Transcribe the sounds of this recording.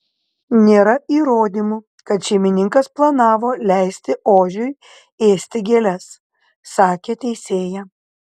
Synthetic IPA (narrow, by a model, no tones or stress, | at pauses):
nʲeːɾɐiːɾoːd̪ʲiːmu | kɐt̪ʃʲɛɪmʲɪnʲɪŋkɐsplˠɐnɑːʋoːlʲæɪsʲt̪ʲɪʔoːʒʲʊɪ | eːsʲt̪ʲɪɡʲeːlʲɛs | sɑːkʲeːt̪ʲɛɪsʲeːjɛ